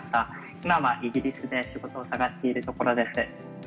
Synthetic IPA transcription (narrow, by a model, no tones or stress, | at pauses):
i̥t̪a | imaβaʔiɡʲiɾʲisɨd̪e̞ɕiɡo̞t̪o̞ːsaɡaɕt̪e̞iɾɯ̟t̪o̞ko̞ɾo̞d̪e̞sɨ